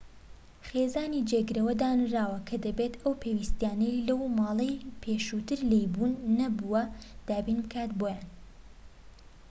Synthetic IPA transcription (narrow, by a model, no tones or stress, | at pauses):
χezaːnid͡ʒeɡɨɾɐwɐd̪aːnɨraːwɐkʰɐd̪ɐbet̪ʔɐwpʰeːwist̪jaːnɐjlɐwmɑːlˠɐjpʰeːʃut̪ɨɾlejbunːɐbuwɐd̪̥aːbinbɨkʰaːt̪boːjaːn